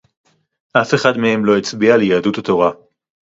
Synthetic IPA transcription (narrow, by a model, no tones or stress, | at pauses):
ʔafe̞χadmehe̞mlo̞et͡sbialjaːdutat̪o̞ʁa